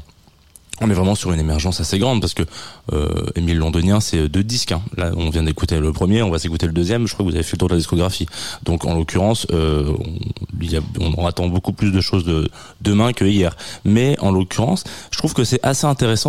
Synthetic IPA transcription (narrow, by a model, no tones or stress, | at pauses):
ɔ̃nɛvʁɛmɑ̃syʁynemɛʁʒɑ̃saseɡʁɑ̃d̪̚paʁsə̥kəø̰ḛmilːɔ̃d̪ɔnjɛ̃sɛød̪ød̪iskɛ̃la̰ɔ̃vjɛ̃d̪ekut̪eləpχəmjeɔ̃vasekut̪eləd̪øzjɛmʒəkχwakəvuzavefɛlət̪uʁd̪əlad̪iskɔɡʁafid̪ɔ̃kɑ̰̃lokʰʲyʁɑ̃søɔ̰̃iljaɔ̰̃at̪ɑ̃bokuplys̬d̪əʃozə | d̪əmɛ̃kəijɛːʁmɛɑ̃lokʲʰyʁɑ̃sət̪χuv̥kəsɛʔaseɛ̃t̪eʁesɑ̃